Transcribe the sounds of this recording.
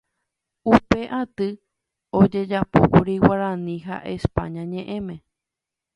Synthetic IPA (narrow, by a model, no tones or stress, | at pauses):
upe̞ʔat̪ɨ | od͡ʒe̞d͡ʒapokuɾiwaɾãnĩɦa̰ʔe̞spa̰ɲãɲẽ̞ʔẽ̞mẽ̞